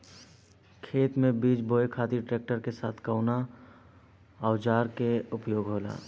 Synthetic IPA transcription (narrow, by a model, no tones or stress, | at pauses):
kʰeːt̪mẽbiːt͡ʃboːekʰaːt̪iʈɾeːk̚ʈəɾkesaːt̪ʰkəʊna | ɔːʊd͡ʒaːɾkeʊpjoːɡɦoːla̰ː